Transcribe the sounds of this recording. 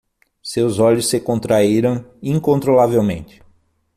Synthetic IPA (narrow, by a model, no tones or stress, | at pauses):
sewzɔʎʊsːɪkõnt̪ɾaiɾɐ̃w̃ĩŋkõnt̪ɾolavewmḛ̃nt͡ʃɪ̥